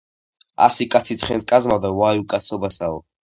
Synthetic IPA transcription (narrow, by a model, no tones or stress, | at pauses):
a̰sikʼat̪sʰit̪ʰχɛnskʼazmawd̪awajukʼasɔbasaɔ